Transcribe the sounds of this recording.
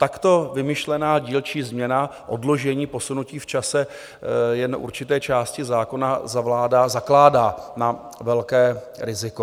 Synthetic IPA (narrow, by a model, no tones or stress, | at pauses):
t̪akt̪o̞vɪmɪʃlɛnaːɟiːlt͡ʃiːzmɲɛnaʔo̞̰dlo̞ʒɛɲiːpo̞sunuciːft͡ʃasɛ | jɛnʔṵɾt͡ʃɪt̪ɛːt͡ʃaːscɪzaːko̞nazavlaːdaːzaklaːdaːna | vɛlkɛː | ɾɪzɪko